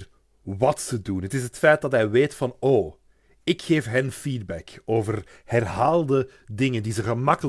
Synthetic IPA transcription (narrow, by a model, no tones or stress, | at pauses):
ʋɑtsədunɦətɪsɦətfɛjt̚dɑtɦɛjʋeːtfɑnoː | ɪkxeːfɦɛnfiːd̚bɛkoːvər | hɛrɦaːlˠdə | dɪŋəndizəɣəmɑkəl